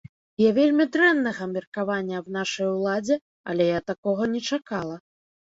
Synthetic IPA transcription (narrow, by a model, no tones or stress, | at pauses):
javʲelʲmʲid̪ɾɛnːɐɣɐmʲirkavanʲːɐbnaʂɐjwlˠad͡zʲɛ | ɐ̰lʲɛjat̪akɔɣɐnʲɛt͡ʂakalˠɐ